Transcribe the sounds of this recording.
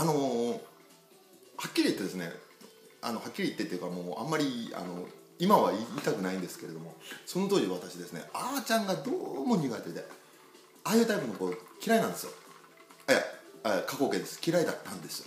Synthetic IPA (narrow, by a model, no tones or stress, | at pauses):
ano̞ | hakʲːiɾʲiːt̪ːe̞d̪e̞sɨne̞̰ | a̰no̞hakʲːiɾʲiːt̪ːe̞t̪ejɯ̟kamo̞ːã̰mːaɾʲia̰no̞ | imaβaiit̪akɯ̟naĩnd̪e̞sɨ̥ke̞ɾe̞d̪o̞mo̞so̞no̞t̪o̞ːd͡ʑiβat̪aɕid̪e̞sɨne̞̰aːt͡ɕãŋɡad̪oːmo̞ɲ̟iɡat̪e̞d̪e̞ | aːjɯ̟ːt̪aipɯnokoːkʲiɾainãnd̪esɨjo | aja̰ekako̞ːke̞d̪e̞sɨ̥kʲiɾaid̪at̪ːãnd̪e̞sɨ̥jo